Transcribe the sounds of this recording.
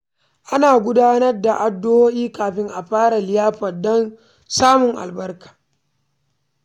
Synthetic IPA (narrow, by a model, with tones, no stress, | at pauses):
ʔa˦naː˨ɡʷʊ˦daː˦nɐ˦rda˨ʔa˨dːo˦woː˦ʔiː˦kaː˨ɸɪ˦ŋʔa˨ɸaː˦ɽa˨lɪ˦jaː˦ɸɐ˨dɔ˦n | saː˦mʊ˨ŋʔa̰˨lbɐ˦rkḁː˨